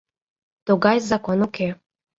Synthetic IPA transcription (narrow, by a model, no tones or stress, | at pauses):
t̪oɡɑjzakonokʰe